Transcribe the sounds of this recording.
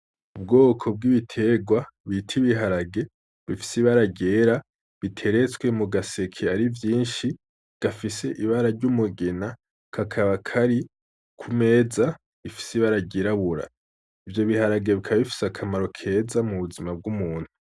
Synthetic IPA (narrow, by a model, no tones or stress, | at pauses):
ubɡo̞ːkʰo̞b̚ɡiβitʰe̞ɡwaβitʰiβiɦaɾaɡe̞ | βifi̥siβaɾaɟe̞ːɾa | βitʰe̞ɾe̞t͡swe̞muɡase̞kʰeaɾivjiːnʃi | ɡ̥afise̞ʔiβaɾaɾɟumuɡena | kʰakʰaβakʰaɾi | kʰume̞ːza | βifi̥siβaɾaɟeɾaβuɾa̰ | ivjo̞βihaɾaɡe̞βikʰaβaβifi̥sakʰamaɾo̞kʰe̞ːzamuβuzimab̚ɡumuːn̥hu